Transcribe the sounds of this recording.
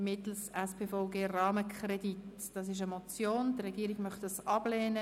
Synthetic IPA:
mɪt̪l̩sɛspʰeːfɔʊɡeːrɑːməkʰrɛd̥it | d̥ɑs̬ɪʃ̬əmot͡sjoːndrɛɡiːɾɪɡ̥mœχtd̥ɑsɑb̥lɛːnə

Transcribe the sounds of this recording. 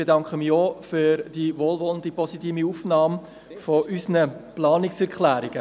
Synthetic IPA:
b̥edɑŋkχəmiofyɾd̥iʋoːlʋɔləndipɔsitiːmiuːfnɑːm | fɔʔysnəplɑːnɪksɛɾkχlæːɾiɡ̥ə

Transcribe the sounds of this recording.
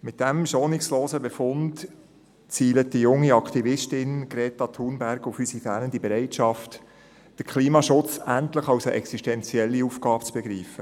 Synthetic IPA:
mɪt̚d̥æmʃoːnɪksloːsəbefʊnd | t͡siːlət̚d̥ijʊŋːiɑkχtivɪʃtɪnɡ̥ɾɛːtɑtʰuːnbæɾɡʊfysifæːnəndibɛɾɛɪtʃɑft | d̥əkʰliːmɑʃʊt͡sæntləχɑwsəʔɛksiʃtɛnt͡siɛlːiuːfɡ̥ɑːbt͡sb̥ɛɡɾiːfə

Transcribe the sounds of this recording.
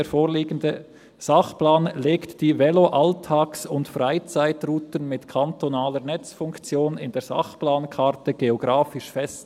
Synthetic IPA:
eːɾfoːɾliːɡən̩də | z̥aχplaːnleːktd̥iːvɛloʔaltʰaːksʊntfraɪt͡saɪtruːtən̩mɪtkʰantonaːləɾnɛt͡sfʊŋkt͡sjoːnɪndeːz̥a̰χplaːnkʰaɾtəɡ̥eoɡʁaːfɪʃfɛst

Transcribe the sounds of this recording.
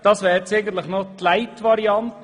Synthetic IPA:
d̥ɑːsʋɛːɾt͡sɛɪɡən̩t̪ləχnotlæɪtʋɑɾiɑnt

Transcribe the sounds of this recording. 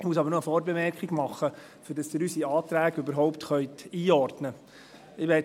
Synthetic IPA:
muəs̬ɑbəɾnoəfɔːɾbemɛrkχɪɡmɑχːə | fyɾdɑsd̥ɪːɾysiɑːt̪ɾæːɡøbəɾɦɔʊptχœʏtiːɔrdnə | ɪʋɛ

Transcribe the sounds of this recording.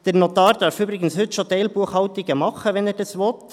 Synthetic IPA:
d̥ɛɾnotɑːɾd̥ɑɾfyːbɾɪɡən̩shʏtʃoteɪlbuəχhɑltɪɡ̥əmɑχəʋɛnɛːɾdɑsʋɔt

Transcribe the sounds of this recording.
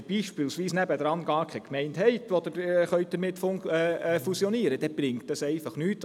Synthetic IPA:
b̥iːʃpɪːlsʋiːsnæbəd̪ɾɑnɡɑːɾkʰɛkmɛɪnthɛɪt̪ʋod̥̪əχœʏt̚d̥əɾmɪtf | fusijɔniəɾəd̥ɛb̥ɾɪŋtɑsɛɪfɑχnyːt

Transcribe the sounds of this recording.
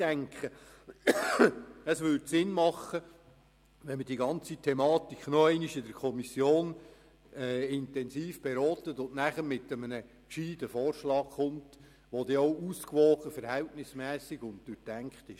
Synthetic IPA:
æŋkχə | əsʋʏɾdsɪnmɑχə | ʋɛnməd̥iːɡɑnt͡sitʰɛmɑːt̪ikχnɔæɪniʃɪdəɾkʰɔmisjoːn | ɛːɪntɛnsiːfb̥eɾɔːtətʊndnæχəɾmɪt̪əmənə | kʃiːdəfɔːrʃlɑːkχʊnt | ʋod̪eɔʊuːskʋɔːχəfəɾhɛltnɪsmɛːsiɡ̥ʊnd̚d̥ʉtæŋkχtɪʃ

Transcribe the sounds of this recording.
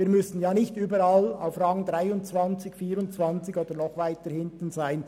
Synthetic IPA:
viːɾmʏsn̩jaːnɪçtyːbəɾɑla̰ʊfrɑŋdɾaɪʊnt͡svɑnt͡sɪçfiːɾʊnt͡svɑnt͡sɪçoːd̪əɾnɔχvaɪtəhɪntn̩zaɪn

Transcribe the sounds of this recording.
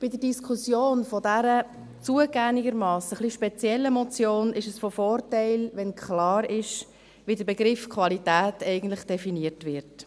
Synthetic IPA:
b̥ɪdəɾdiskʰusjoːnfɔdæɾə | t͡suəɡ̥æŋɪɡəɾmɑːsəχliʃpɛt͡sjɛlːəmɔt͡sjoːnɪʃəsfɔfɔːrtɛɪlʋɛnkχlɑːɾɪʃ | ʋidəɾbɛɡɾɪfkʰvɑlitæːtɛɪɡən̩tlɪχd̥ɛfiniəɾtʋɪɾt

